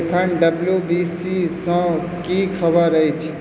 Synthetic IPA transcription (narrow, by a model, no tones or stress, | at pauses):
p̪ʰəɳɖəbljubisisə̃ | kikʰəbəɾəjt͡ʃʰ